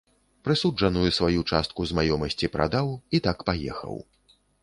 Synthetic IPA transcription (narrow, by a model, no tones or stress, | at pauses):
pɾɨsud͡ʐɐnujusvajut͡ʂast̪̚kuzmajɔmɐsʲt͡sʲipɾʔa̰d̪awit̪akpajɛ̰xɐ̰w